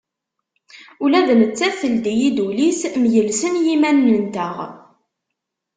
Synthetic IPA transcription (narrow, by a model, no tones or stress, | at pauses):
ulæðnət͡sːæθθːəld̪ijid̪ulismjəlsənjimænːənt̪əʁ